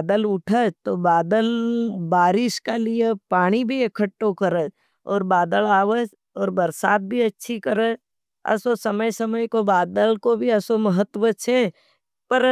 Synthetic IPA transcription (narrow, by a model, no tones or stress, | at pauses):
d̪əlʊʈʰət̪obaːd̪əlbaːɾɪʃkalijepaːɽ̃ibʱiekʰəʈːokəɾəd͡ʒ | ɔːɾbaːd̪əlaːʋəd͡ʒ | ɔːɾbəɾsaːt̪̚bʱiɐtːʃʰikəɾə | ɐ̰sosɐməjsəməjkobaːd̪əlkobʱiɐsomɐɦət̪wət͡ʃʰɛ | pəɾ